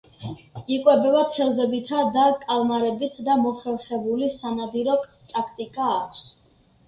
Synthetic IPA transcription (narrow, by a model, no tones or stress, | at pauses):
ikʼwɛbɛbat̪ʰɛlzɛbit̪ʰad̪akʼalˠmaɾɛbit̪ʰd̪amɔχɾɛlχɛbulisanad̪iɾɔ | t̪ʼakʰt̪ʼikʼaːkʷʰs